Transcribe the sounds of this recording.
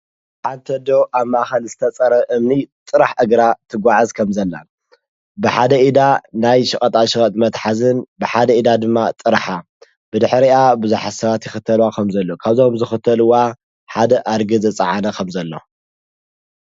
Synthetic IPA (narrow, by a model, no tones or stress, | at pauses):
ħant̪ʰɐd̪owʔaβmːaʔxɐlzɨt̪ʰɐt͡sʼɐɾɐʔɨmnit̪ʼɨɾaħʔɐɡɾat̪ʰɨɡʷaʕazkʰɐmzɐlːa̰ | bɨħad̪ɐʔid̪anajʃɨχʼɐt̪ʼaʃɨɣʼɐt̪ʼmɐt̪ħazɨnbɨħad̪ɐid̪ad̪ɨmːat̪ʼɨɾħa | b̥ɨd̪ɨħɾiabɨzuħasɐβat̪jɪxɨt̪ʰɐlwakʰɐmzɐlːokʰaβzo̞mzɨxɨt̪ʰːɐlɨwa | ħad̪ɐʔaɾɡɨzɐt͡sʼɐ̰ʕanɐkʰɐmzɐlːo̞̰